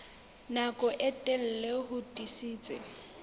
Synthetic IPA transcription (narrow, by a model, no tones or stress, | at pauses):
nakʼɔʔɛtʼɛl̩leɦʊtʼisiːt͡sʼɪ̰